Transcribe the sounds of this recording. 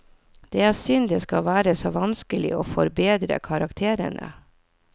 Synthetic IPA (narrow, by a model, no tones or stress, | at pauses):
d̪̥eːæːsʏnd̪eːskɑʋæːɾəsoːʋɑnskəlɪ̰oːfɔɾbeːd̪ɾə̰kʰɑɾɑkt̪ʰeːɾə̰nʔə̰